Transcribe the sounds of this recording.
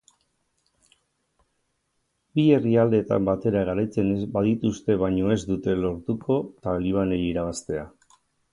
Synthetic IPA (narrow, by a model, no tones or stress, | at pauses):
bie̞riald̪e̞t̪a̰mbat̪e̞ɾaɣaɾajt͡se̞nebaðit̪ust̪e̞βajɲo̞e̞zd̪ut̪e̞lo̞ɾt̪ukʰo̞t̪aliβ̞anejiɾaβast̪e̞a